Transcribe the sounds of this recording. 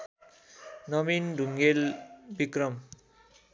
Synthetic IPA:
nʌminɖʱuŋɡelbikrʌm

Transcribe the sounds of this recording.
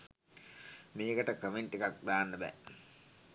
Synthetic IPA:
meːɡəʈəkɾəminʈikak̚d̪aːnːəbæ̰

